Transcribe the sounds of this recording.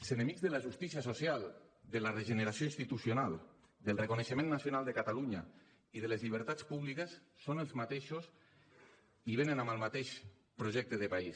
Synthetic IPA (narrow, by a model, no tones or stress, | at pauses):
eszenemiɡzðəlaʒust̪isiasosjalˠd̪əlareʒəneɾasjoĩnst̪it̪usjonalˠ | d̪əlˠrekuneʃəmẽnːasjonalˠd̪ekat̪aluɲa | iðəlezʎiβ̞əɾt̪at͡spuβlikesːonelˠzmat̪eʃos | iβenənaməlˠmat̪eʃ | pɾoʒɛk̚t̪əðəpais